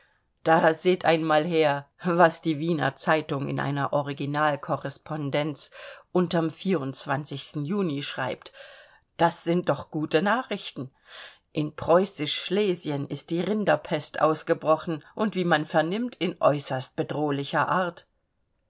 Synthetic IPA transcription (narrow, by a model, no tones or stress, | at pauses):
d̥aːzeːtʔaɪnmaːlɦeːɐvasd̥iːviːnɐ̰t͡saɪtʊŋɪ̰nʔa̰ɪnɐʔɔʁiɡinaːlkʰɔʁɛspʰɔndɛnt͡sʔʊntamfiːɐʊnt͡sv̥ant͡sɪçstn̩juːniʃʁ̥aɪp̚t | d̥asz̥ɪnt̚d̥ɔχɡ̥uːtənaːχʁ̥ɪçtn̩ | ʔɪnpʁ̥ɔʏsɪʃʃleːzjənɪst̚d̥iːʁɪndɐpʰɛstʔa̰ʊsɡ̥əbʁɔχn̩ʔʊntv̥iːmanfɛɐnɪmtʰɪnʔɔ̰ʏsɐst̚b̥ədʁoːlɪçɐʔaːɐt